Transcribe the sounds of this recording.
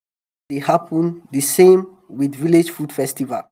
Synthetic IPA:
dehapʰə̃ndəsẽm | widviled͡ʒfud̥fɛstiva̰l

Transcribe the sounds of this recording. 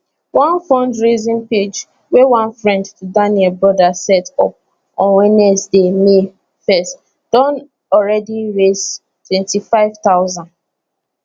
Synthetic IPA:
wãnfɔ̃ndɹizĩnped͡ʒ | wewãnfɹɛ̃ndtudãnɛlbɹɔdasɛtɔ̰p̚ | ɔ̃nwɛnɛsdeme | fɛst | d̥ɔ̃n | ɔɹɛdiɹes | twɛ̃ntifaɪvtaʊzãn

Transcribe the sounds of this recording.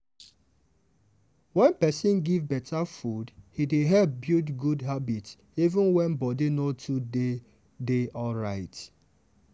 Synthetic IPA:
wɛ̃npɛsɪ̃nɡivbɛtʰafudhideɦɛp̚bjutɡudɦabits | ivə̃nwɛ̃nbɔdinotʰude | deɔlɹaɪt

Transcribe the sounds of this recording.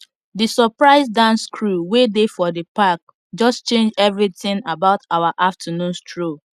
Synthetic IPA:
disɔpɹaɪzdãnskʰɹuwedefɔdəpak̚ | d͡ʒɔst͡ʃẽnd͡ʒɛvɹitɪ̃ŋabaʊtawaʔaftʰənũnstɹo

